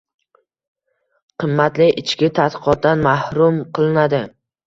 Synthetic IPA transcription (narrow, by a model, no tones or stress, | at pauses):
qʰɨmːat̪lɪʔɪt͡ʃkʲɪt̪ʰat̪qɨ̥qɒt̪̚d̪anmahɾʊmqʰɨlˠɪnad̪ɪ